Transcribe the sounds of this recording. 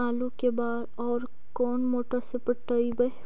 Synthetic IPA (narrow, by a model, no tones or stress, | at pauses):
aːlukebaːd̪ɔːɾ | kɔːnmoːʈəɾsepəʈəibə